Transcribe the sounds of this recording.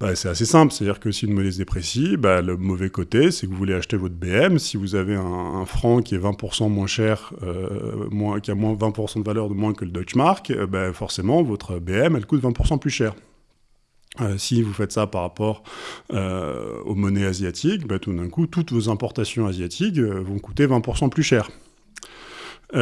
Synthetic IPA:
basɛt̪asesɛ̃plset̪ad̪iʁkəsiynmɔnɛsd̪epχesibaləmɔvɛkot̪esɛkəvuvuleaʃt̪evɔt̪χbeɛmsivuzaveɛ̃ːfχɑ̃kʲiɛvɛ̃puʁsɑ̃mwɛ̃ʃɛʁ | ø̰mwɛ̃kʲiamwɛ̃vɛ̃puʁsɑ̃d̪əvalœʁd̪əmwɛ̃kələd̪ɔt͡ʃmaʁkøbafɔʁsemɑ̃vɔt̪χəbeɛmɛlkut̪vɛ̃puʁsɑ̃plyʃɛːʁ | øsivufɛt̪sapaʁapɔʁø̰o̰mɔnɛazjat̪ʰikbat̪ud̪ɛ̃kut̪ut̪vozɛ̃pɔʁt̪asjɔ̃azjat̪ʰikøvɔ̃kut̪evɛ̃puʁsɑ̃plyʃɛːʁ

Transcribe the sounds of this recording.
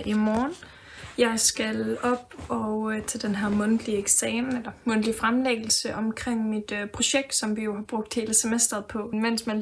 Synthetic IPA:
ʔimɒːn | jɑ̈ɪsɡ̥ælɒ̽b̥ɒʊt͡sʰeld̥enɦæɐmɔ̽nd̥lieɡ̥sɛːmelɐmɔ̽n̰d̥lifʁamleɡ̥əl̩səʔɒ̽mkʰʁeŋ̰mid̥pʰʁo̝ɕeɡ̥̚d̥sɒ̽mʋijo̝ɦɑ̈b̥ʁɔ̽ɡ̥̚d̥he̝ːləsemesd̥ɐð̩ˠpʰɒ̽men̰smæn

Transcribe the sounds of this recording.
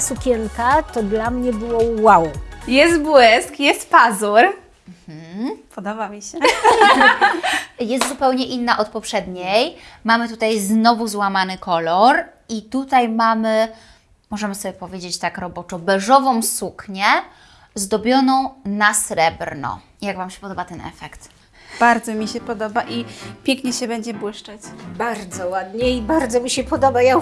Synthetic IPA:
sukʲɛŋkat̪ɔd̪lamɲɛbɘwɔwːawjɛst̪bwɛskjɛst̪pazuɾ | m̩h̩pɔd̪ɔbamʲiɕɛ | jɛst̪zupɛwɲɛʔinːaʔɔt̪pɔpʂɛd̪ɲejmamɘt̪ut̪ajznɔvuzwamanɘkɔlɔɾ | it̪ut̪ajmamɘ | mɔʐɛmɘsɔbʲjɛpɔvʲjed͡ʑet͡ɕt̪akɾɔbɔt͡ʂɔbɛʐɔvɔ̃w̃sukɲɛ | zd̪ɔbʲjɔnɔ̃w̃nasɾɛbɾnɔ̰ | jaɡvamɕɛ̥pɔd̪ɔbat̪ɛnʔɛ̰fɛkt̪ | b̥aɾd̪zɔmʲiɕɛpɔd̪ɔbaʔipʲjɛŋkɲɛɕɛbɛɲd͡ʑɛbwɘʂt͡ʂat͡ɕbaɾd̪zɔwad̪ɲɛibaɾd̪zɔmʲiɕɛpɔd̪ɔbaja

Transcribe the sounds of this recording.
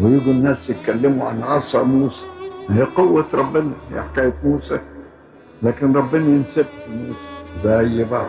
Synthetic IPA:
wɪjɪɡ̪ʊnːaːsjɪt̪̚kalːɪmuʕanʕɑsˤːɑmuːsḁiqʊwːat̪ɾˤɑbːɪnajɪ̰ħkaːjfmuːsa | laːkɪnɾˤɑbːɪnajɪnsɪbfimuːsḁzajːɪbɑʕd̪

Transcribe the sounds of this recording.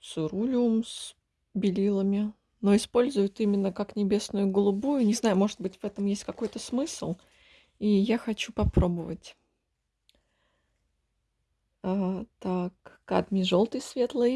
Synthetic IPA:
sʊɾulʲʊms | bʲɪlʲilˠəmʲɪ | no̞ɪspo̞lʲzʊjʊt̪imʲɪnːəkaknʲɪbʲe̞snʊjʊɡəlˠʊbujʊnʲɪznajʊmo̞ʐɨd̪̚bɨtʲvɛt̪əmjesʲtʲkɐko̞jt̪əsmɨslˠ | ijaxɐt͡ɕupɐpɾo̞bəvətʲ | at̪akː | a̰d̪mʲiʐo̞lˠt̪ɨjsvʲe̞t̪lˠəj

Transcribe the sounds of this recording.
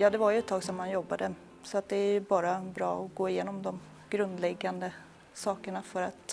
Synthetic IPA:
jɑːd̪ɛvaɾjɵɛt̪ʰːɑːɡsɔmːanjɔbːad̪ə | sɔat̪̚d̪ɛæɾjɵbɑːɾabɾɑ̰ːɔɡoːɪjeːnɔmd̪ɔm | ɡ̥ɾɵnd̪lɛɡːand̪ə | sɑːkəɳafœɾat̪

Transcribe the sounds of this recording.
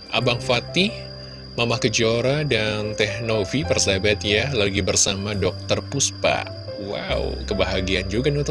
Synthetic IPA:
ʔa̰baŋfat̪i | mamahkəd͡ʒoɾadant̪ɛhnofipɛrsabɛt̪jalaɡibərsamadɔk̚t̪ərpuspa̰ | wa̰w̰kəbaɦaɡiand͡ʒuɡaniut̪

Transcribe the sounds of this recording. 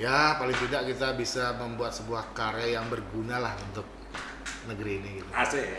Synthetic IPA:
japalɪŋt̪idaʔkit̪abisaməmbuat̪̚səbuahkaɾɛjaŋbərɡunalahunt̪ʊk̚ | nəɡəɾiːniɡit̪uasɪ

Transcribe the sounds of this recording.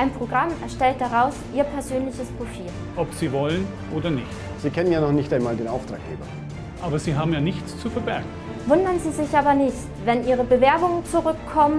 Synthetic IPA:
ʔaɪnpʁ̥oɡʁamɛɐʃtɛlt̚d̥aʁaʊsʔiːɐpʰɛɐzøːnlɪçəspʁ̥ofiːl | ʔɔpz̥iːvɔlən | ʔoːdɐnɪçt | z̥iːkʰɛnənjaːnɔχnɪçtaɪnmaːldeːnʔaʊftʁ̥a̰ːk̚ɡ̥ḛːbɐ̰ | ʔaːbɐziːɦaːbm̩jaːnɪçt͡st͡sufɛɐbɛɐɡŋ̩ | vʊndɐnziːzɪçʔaːbɐnɪçt | vɛnʔiːʁ̞əbəvɛɐbʊŋənt͡suʁʏkʰːɔmən

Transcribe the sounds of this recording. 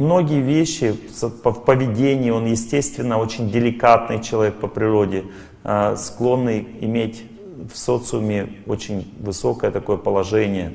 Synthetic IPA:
mno̞ɡʲɪjəvʲeɕːɪspəfpəvʲɪdʲenʲɪjːo̞njɪsʲtʲest̪vʲɪnːəo̞t͡ɕɪnʲdʲɪlʲɪkat̪̚nɨjt͡ɕɪlˠɐvʲek̚pəpɾʲɪɾo̞dʲɪ | sklˠo̞nːɨjɪmʲetʲ | fso̞t̪sɨʊmʲɪo̰t͡ɕɪnʲvɨso̞kəjət̪ɐko̞jəpəlˠɐʐɛnʲɪjə

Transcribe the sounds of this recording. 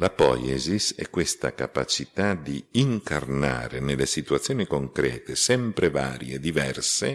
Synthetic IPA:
lapɔ̰jɛzisɛ̰kːwest̪a̰kapat͡ʃit̪ad̪iiŋkarna̰ːɾenelːesit̪uat̪sːjoːnikoŋkɾɛːt̪esɛmpɾevaːɾjeːd̪ivɛrse

